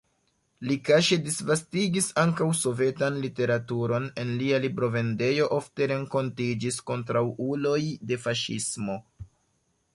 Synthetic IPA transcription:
likaʃe̞disvastiɡisaŋkawso̞ve̞tanlite̞ɾatuɾo̞ne̞nlialibɾo̞ve̞nde̞jo̞ʔo̞fte̞ɾe̞ŋko̞ntid͡ʒisko̞ntɾawulo̞jde̞faʃḭsmo̞

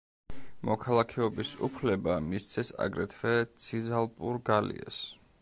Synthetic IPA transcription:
mɔkʰalˠakʰɛɔbisṵpʰlɛbamist̪sʰɛsa̰ɡɾɛt̪ʰvɛt̪sʰizalˠpʼuɾɡalḭɛ̰s

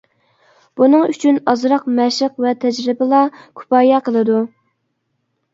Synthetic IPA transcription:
b̥unɨŋyt͡ʃʰynɑzɾɑqmɛʃəqvɛt̪ʰɛd͡ʒɾɪbɪlˠɑkʲʰu̥pɑːjɑqʰəlˠɨd̪u

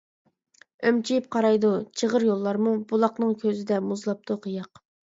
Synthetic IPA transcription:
ømt͡ʃʰijip̚qʰɑɾɑjd̪ut͡ʃʰəʁəɾjolˠːɑɾmubulˠɑqnɨŋkʲʰøzɪd̪ɛmuzlˠɑp̚t̪ʰuqʰəjɑq

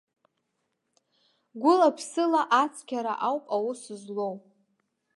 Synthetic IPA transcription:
ɡʷʊlapʰsɨlaʔat͡sʰʼkʲʰaɾa̰ʔawpʼawusɨzlowpʼ

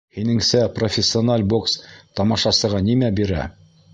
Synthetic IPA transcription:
hinɘ̆ŋsæprofʲɪsʲːɪonalʲbokst̪ɑmɑʃɑsɤ̆ʁɑnimæbiɾæ̰

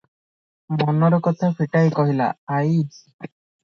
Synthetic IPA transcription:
mɔnɔɾɔkɔt̪ʰapʰiʈajkɔɦila̰ːj

